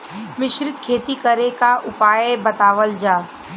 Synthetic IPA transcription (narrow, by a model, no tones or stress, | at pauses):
ʋɪʃɾɪt̪kʰeːt̪ikəɾekaʔʊpaːjebɐt̪aːʋəld͡ʒaː